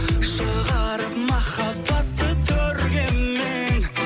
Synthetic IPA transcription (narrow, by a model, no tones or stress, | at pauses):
ʃəʁɑɾəpmɑχɑpɑt̪ːət̪ʰːɵɾɡʲemːeɪŋ